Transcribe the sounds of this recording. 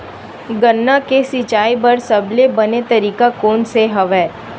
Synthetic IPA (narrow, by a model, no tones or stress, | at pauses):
ɡənːakesɪt͡ʃaːibɐɾsɐblebɐnet̪ɐɾiːkakoːnseɦɐʋɛː